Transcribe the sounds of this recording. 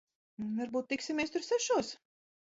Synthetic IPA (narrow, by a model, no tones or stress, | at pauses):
vaɾbuːt̪̚ːiksimʲɛst̪ʊɾsɛʃuɔs